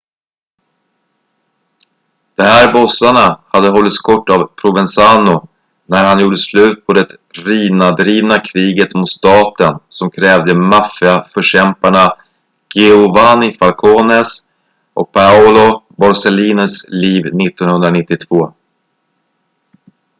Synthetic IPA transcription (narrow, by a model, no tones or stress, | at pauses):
d̪̥ɔmhæːɾbɔsaɳahad̪ːəɦɔlːɪt̪skʰɔʈːavpʰɾʊvɛnsaːnʊ | næɾhanjuːɖəslʉ̟ːt̪̚pʰɔd̪ɛt̪ | ɾiːnad̪ɾiːvnakʰɾiːɡət̪mʊt̪st̪ɑːt̪ənsɔmkʰɾɛːvd̪əmafɪafœʂɛmpaɳa | ɡ̥ɛʊvanɪfalkʰoːnɛs | ʔɔk̚pʰaɔlʊbɔɾsɛliːnəsliːvnɪt̪ːɔnhɵnd̪ɾanɪt̪ːɪt̪ʰv̥oː